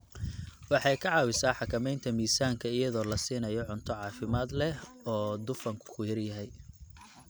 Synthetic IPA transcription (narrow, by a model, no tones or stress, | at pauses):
wɑħɑjkʰɑʕɑːwɪsaːħɑkʰɐmɛjnt̪ʰɐmiːsaːŋkʰɐɪjɐðɔːlɐsiːnɐjɔʕʊnt̪ʰɔʕɑːfɪmaːd̪lɛ | ɔːd̪ʊfɐŋkʰʊ̥kʰʊjɐrjɐɦɛj